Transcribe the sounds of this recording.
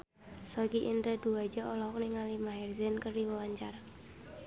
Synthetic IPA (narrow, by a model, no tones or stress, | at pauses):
sɔkiʔindəd̪̥uad͡ʒaʔɔlɔk̚niŋalimaɦɛrzɛnkəriwɔwaɲt͡ʃaɾa